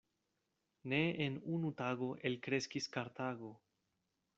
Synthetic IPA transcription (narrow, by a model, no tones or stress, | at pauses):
neenunutaɡo̞ʔe̞lkɾe̞skiskaɾt̪aɡo̞